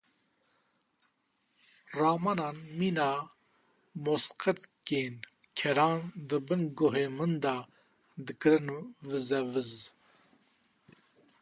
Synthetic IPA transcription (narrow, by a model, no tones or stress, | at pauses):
rɑːmɑnɑːnmiːnɑː | mosqət̪keːn | kʰɛɾɑːnd̪ɨbɨnɡoɦeːmɨnd̪ɑː | d̪ɨkɨɾɨnvɨzɛvɨz